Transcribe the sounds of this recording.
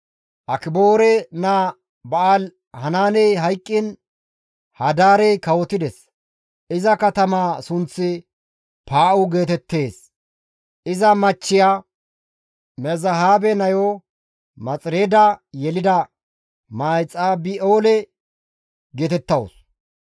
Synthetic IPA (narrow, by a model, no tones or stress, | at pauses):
ʔɐkɪbo̞ːɾɛnaː | bɐaːl | hɐnaːnɛjɦɐjkʼːɪn | hɐd̪aːɾɛjkɐwɔt̪ɪd̪ɛs | ʔɪzɐkɐt̪ɐmaːsʊnt͡sːɪ | paːʔʊɡe̞ːt̪ɛt̪ːe̞ːs | ʔɪzɐmɐt͡ʃːɪjaː | mɛzɐɦaːbɛnɐjo | mɐt͡sʼɪɾeːd̪ɐjɛlɪd̪ɐ | maːjt͡sʼaːbɪoːlɛ | ɡe̞ːt̪ɛt̪ːɐwʊ̰s